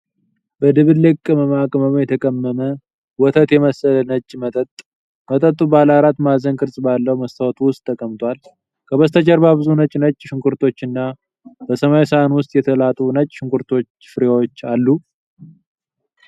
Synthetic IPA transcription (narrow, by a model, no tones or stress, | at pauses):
bəd̪ɨβɨlɨkʼːɨməmakʼɨməmjɛt̪ʰəkʼəmːəmə | wɔt̪ʰət̪jɛməsələnət͡ʃʼːmət̪ʼət̪ʼ | mət̪ʼət̪ʼːubalaɾat̪mazənkʰʼɨɾsʼbalːəhməst̪ʰəwɔt̪ʰuwʊst̪ʼʰːəkʼəmt̪ʰwʷal | kʰəβəst̪ʰət͡ʃɛɾbaβɨzunət͡ʃʼnət͡ʃʼːʃɪŋkʰuɾt̪ʰo̞t͡ʃːɨnːa | b̥əsəmajisanwʊst̪ʼjɛt̪ʰəlat̪ʼunət͡ʃʼːʃɪŋkʰuɾt̪ʰo̞t͡ʃː | fɨɾewot͡ʃːalːu